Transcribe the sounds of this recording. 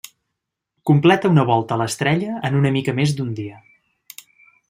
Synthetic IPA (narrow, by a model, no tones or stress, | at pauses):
kumplɛt̪əunəβ̞ɔlˠt̪əːləst̪ɾɛʎəːnunəmikəmezd̪und̪iə